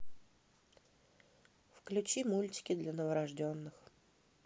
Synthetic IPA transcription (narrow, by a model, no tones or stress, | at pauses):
fklʲʉt͡ɕimulʲtʲɪ̥kʲɪd̪lʲɐnəvəɾɐʐdʲonːɨx